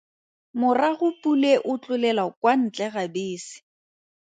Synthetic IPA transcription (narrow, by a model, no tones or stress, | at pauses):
mʊraɣʊpʼuleʔʊt͡ɬʼʊlɛlakwan̩t͡ɬʼɛɣabeːsɪ̥